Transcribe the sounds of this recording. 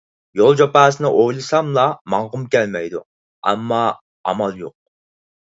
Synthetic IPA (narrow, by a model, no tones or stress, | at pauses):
jolˠd͡ʒopæːsɨnɨʔojlˠɨsɑmlˠɑmɑɴʁʊmkʲɛlmɛjd̪u | ɛ̰mːɑ | ɑ̰mɑlˠjoq̚